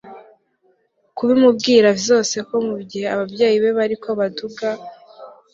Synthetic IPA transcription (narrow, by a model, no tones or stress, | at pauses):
kuβimub̚ɡiːɾavizo̞ːse̞ko̞mubɟihe̞aβabjeːjiβe̞βaɾikʰo̞βaduɡa